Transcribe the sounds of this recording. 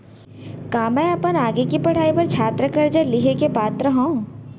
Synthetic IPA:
kaːmɛ̃ɐpənaːɡekipɐɽ̤aːipɐɾt͡ʃʰaːt̪ɾəkɐɾd͡ʒəlɪɦekepaːt̪ɾəɦõː

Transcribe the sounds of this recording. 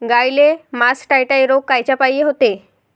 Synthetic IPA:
ɡajlemasʈajʈaeɾoɡ̚kajt͡ɕapajeɦot̪e

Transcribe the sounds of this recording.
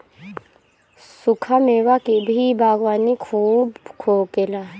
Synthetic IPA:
sʊkʰameːwakibʱibʱaːɡwaːnikʰuːbkʰoːkelaː

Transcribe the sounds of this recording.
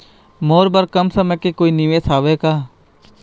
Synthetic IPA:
moːɾbəɾkəmsəməkekoːiniʋeːsaːʋeːkaː

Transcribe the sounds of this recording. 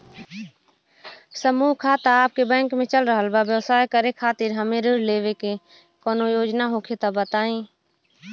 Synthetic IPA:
səmuːɦkʰaːt̪aaːp̚kebɛ̃ːŋkmẽt͡ʃəlɾəɦəlbaʋjəwsaːjkəɾekʰaːt̪ɪɾɦəmẽɾʊɾleːʋeke | kɔːnojoːd͡ʒnaɦokʰet̪abət̪aːĩː

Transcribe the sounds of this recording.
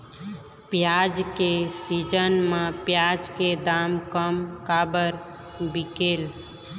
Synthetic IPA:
pjad͡ʒkesid͡ʒənmãpjad͡ʒked̪amkəmkabəɾ | bikeːl

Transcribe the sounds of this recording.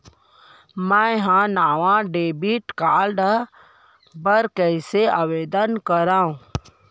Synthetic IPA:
mɛ̃ɦãnaːʋãɖeːbiʈkaːlɖ | bəɾkɛɪseaʋeːd̪ənkəɾaːũː

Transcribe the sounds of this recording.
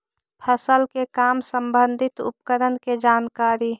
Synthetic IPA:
pʰəsəlkekaːmsəmbənd̪ʱɪt̪ʊ̰pkəɾənked͡ʒaːnkaːɾi

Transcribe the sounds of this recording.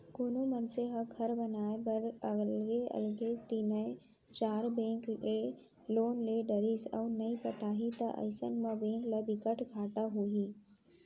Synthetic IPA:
koːnomənseɦɐɡʱɐɾbɐnaːebɐɾəlɡeɐ̰lɡet̪inəe | t͡ʃaːɾbẽːŋke | loːnleːɖəɾisa̰unɐipɐʈʰaːɦit̪ɐʔə̰ɪsə̰nmãbẽːŋkləbɪkəʈʰɡʱaːʈaɦoːɦiː

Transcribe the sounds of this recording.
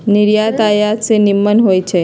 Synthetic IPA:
niɾjat̪ajasenimːənɦojt͡ʃʰe

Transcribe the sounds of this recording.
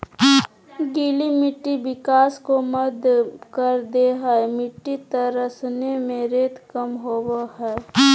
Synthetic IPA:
ɡiːlimɪʈːibɪkaːskoməd̪kəɾd̪eɦɛmɪʈːit̪əɾəsnemẽɾeːt̪kəmɦoːwaɦɛː

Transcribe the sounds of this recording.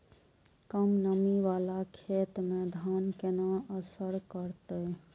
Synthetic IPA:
kəmnəmiʋalakʰet̪med̪ʱankenaəsəɾkəɾt̪əj

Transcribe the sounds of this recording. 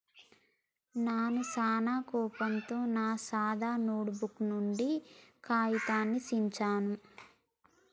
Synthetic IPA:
naːnusaːnaːkɔːpɐnt̪oːnaːsaːd̪aːnoːɽubuknuɳɖikaːjit̪aːnːisiɲt͡ʃaːnu

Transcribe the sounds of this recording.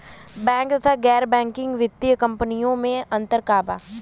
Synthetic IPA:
bɛ̃ːŋk̚t̪ɐt̪ʰaɡɛːɾbɛ̃ːŋkɪ̃ŋɡʋɪd̪jəkɐ̃mpənijõmẽɐ̃nt̪əɾkaːba̰ː

